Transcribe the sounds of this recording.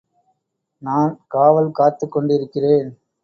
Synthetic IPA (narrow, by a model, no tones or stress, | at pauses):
naːnkaːʋɐlkaːt̪ːɯkːɔɳɖɪɾɯkːɪreːn